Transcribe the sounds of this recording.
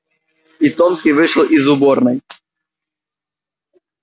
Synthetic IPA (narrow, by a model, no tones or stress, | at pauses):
it̪ɔmskʲiʋɪʂlˠʔizʊbɔɾnɨj